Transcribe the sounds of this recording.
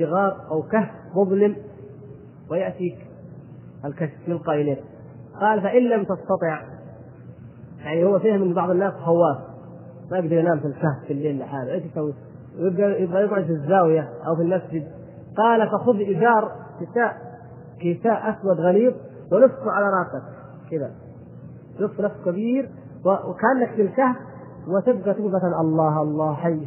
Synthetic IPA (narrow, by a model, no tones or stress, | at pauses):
sɪɣɑːɾˤʔawkah | mʊðˤlɪm | wɪjaʔt̪iːk | ʔalkaʃfjɪlqɑːʔɪleːn | qɑːlfaʔɪnːamt̪ɑst̪ɑt̪ˤɪʕ | jaʕnihʊwːafiːhmɪnbɑʕðˤɪnːaːsɦawːaːf | majɪɡd̪ɑɾˤjanaːmfilkahffilːeːnlɪħaːlʔeːʃjsawːi | wjɪbd̪jɪbɣajɪɡʕʊd̪fizːaːwɪjaʔawfilmasd͡ʒɪd̪̚ | qɑːlafʔaxʊðʔɪd͡ʒɑːɾˤtɪsaːʔ | kɪsaːʔʔaswad̪ɣaliːb̚ | wɪlʊfːuʕalaɾˤɑːsak | kɪd̪a | lʊfːnafskabiːɾ | wɪkaʔanːakfilkahb̚ | wɪt̪ɪb̚ɡat̪ɪɡbat̪anʔɑlˤːɑːhʔɑlˤːɑːhħajː